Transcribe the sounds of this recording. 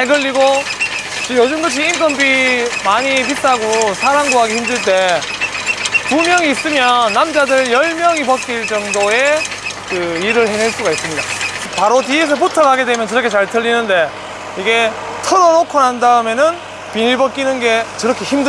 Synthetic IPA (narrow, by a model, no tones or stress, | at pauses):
heɡɯʎːiɡo | t͡ɕɯjod͡ʑɯmɡɯɕ̬ʰiːmk͈ʌnbimaɲipit͈ʰaɡosʰaɾaŋɡoɦaɡeçimdɯɭt̬͈e̞ | kumjʌŋiːs͈ɯmjʌnːamd͡ʑadɯɭjʌɭmjʌŋipʌk͈iɭt͡ɕʌŋdoe̞ | kɯiɾɯɭheneɭs͈uɡais͈ɯmɲida̰paɾoties̬ʰɯɭp̬utʰʌɡaɡe̞dwe̞mjʌnkɯɾʌkʰe̞t͡ɕaɭtʰɯʎːinɯnde̞ | iɡe̞ | tʰɯɾʌnokʰonandaɯmenɯn | pinipʌk͈inɯnɡe̞kɯɾʌkʰe̞çimdɯ